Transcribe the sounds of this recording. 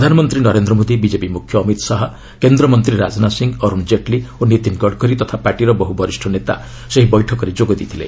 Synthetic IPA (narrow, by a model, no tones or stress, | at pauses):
pɾd̪ʱanɔmɔnt̪ɾinɔɾend̪ɾɔmod̪ibid͡ʒepimukʰjɔːmit̪ɔsaɦɔ | kend̪ɾɔmɔnt̪ɾiɾad͡ʒɔnasiŋɔɾumd͡ʒeʈlionit̪inɡɔɖkɔɾit̪ɔt̪ʰapaɾʈiɾɔbɔɦubɔɾisʈʰɔnet̪a̰ | seɦibɔjʈʰɔkɔɾed͡ʒoɡɔd̪it̪ʰilḛ